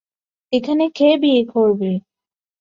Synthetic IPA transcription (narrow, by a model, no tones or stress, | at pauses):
ekʰanekʰebiekʰoɾbe